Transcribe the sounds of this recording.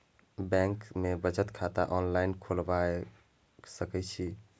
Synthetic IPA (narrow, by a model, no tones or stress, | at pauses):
bɛ̃ŋkmebət͡ʃət̪kʰat̪aʔɔnlainkʰolbae | səkɛt͡ʃʰi